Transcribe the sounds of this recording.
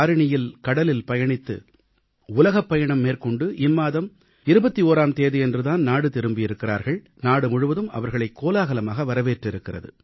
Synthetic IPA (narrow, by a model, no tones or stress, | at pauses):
ɾɪɳɪjɪlkɐɽɐlɪlpɐjɐɳɪt̪ːɯ̰ | ʊlɐɣɐpːɐjɐɳɐmːeːɾkɔɳɖɯʔɪmːaːðɐm | ɪɾɯbɐt̪ːioːɾaːmt̪eːðɪɛndrɯðaːnnaːɽɯt̪ɪɾɯmbɪjɪɾɯkːɪra̰ːɾɣɐɭ | naːɽɯmʊɻɯʋɐðɯmɐ̰ʋɐɾɣɐɭɐɪkːoːlaːɣɐlɐmaːɣɐʋɐɾɐʋeːʈrɪɾɯkːɪrɐ̰ðɯ̰